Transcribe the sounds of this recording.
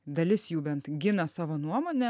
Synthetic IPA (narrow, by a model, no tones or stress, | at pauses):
d̪ɐlʲɪsjuːbʲɛnt̪ɡʲɪnɐsɑːʋoːnuɔmoːnʲɛ